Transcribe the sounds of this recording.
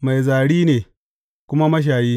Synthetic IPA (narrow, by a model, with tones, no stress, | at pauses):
ma˨jzaː˨ɽiː˦neː˨ | kʷʊ˦ma˦mɐ˦ʃ̬aː˨jiː˦